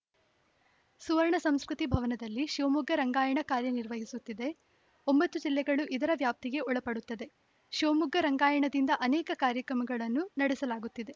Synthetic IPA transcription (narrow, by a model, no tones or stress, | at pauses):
suʋɐɾɳɐsɐmskɾut̪ibʱɐʋɐnɐd̪ɐlːiʃoːmuɡːɐɾɐŋɡaːjɐɳɐkaːɾjɐniɾʋɐɦisut̪ːid̪e̞ | o̞mbɐt̪ːud͡ʒilːɛɡɐɭuʔid̪ɐɾɐʋjaːp̚t̪iɡe̞ɔɭɐpɐɽut̪ːɐd̪e̞ | ʃoːmuɡʱɐɾɐŋɡaːjɐɳɐd̪ind̪ɐʔɐnɛːkɐkaːɾjɐkɾɐmɐɡɐɭɐnːunɐɽɛsɐlaːɡut̪ːid̪e̞